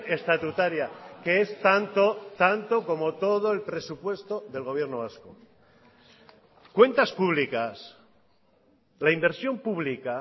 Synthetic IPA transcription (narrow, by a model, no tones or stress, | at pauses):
e̞st̪at̪ut̪aɾjakeest̪ant̪ot̪ant̪o̞ko̞mo̞t̪o̞ð̞o̞e̞lpɾe̞supwe̞st̪o̞ðe̞lɣo̞βje̞ɾnoβasko | kwe̞nt̪aspuβ̞likas | laimbe̞ɾsjo̞mpuβlika